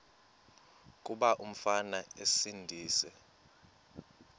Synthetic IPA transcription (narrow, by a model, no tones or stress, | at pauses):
k̬ʼuɓaʔum̩fanaesindʱiːsɛ